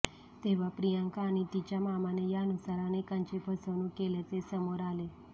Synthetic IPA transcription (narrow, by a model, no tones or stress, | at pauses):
t̪eʋapɾijãŋkaːnit̪it͡ʃamamanejanusaɾanekant͡ʃebʱəsonũkelet̪esəmoɾale